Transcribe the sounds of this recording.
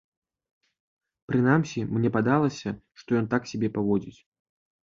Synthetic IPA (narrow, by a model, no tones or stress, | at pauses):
pɾɨnamsʲimnʲɛpad̪alˠɐsʲɐʂt̪ɔjɔnt̪aksʲabʲɛpavɔd͡zʲit͡sʲ